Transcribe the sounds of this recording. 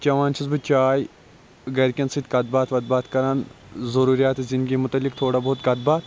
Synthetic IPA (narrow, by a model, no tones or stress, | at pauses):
t͡ʃɐʋaːnt͡ʃʰizbɨt͡ʃaːj | ɡɐɾkʲɐnsid̪ʲkɐd̪̚baːt̪ʰʋɐd̪̚baːt̪ʰkɐɾaːn | zɐɾuːɾijaːt̪ezɪnd̪ɡimʊt̪ɐlːikt̪ʰoːɽaːboːt̪̚kɐd̪̚baːt̪